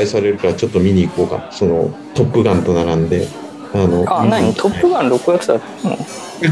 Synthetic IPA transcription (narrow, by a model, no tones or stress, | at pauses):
aisaɾe̞ɾɯ̟kaɾt͡ɕo̞t̪ːomʲiɲ̟iːko̞ːka̰so̞no̞̰ | t̪o̞pːɯ̟ɡãnt̪o̞naɡãnd̪e̞ | ano̞anãɲit̪ʰo̞pːɯɡãnɾo̞kɯ̟jat͡sɨd̪at̪ːno̰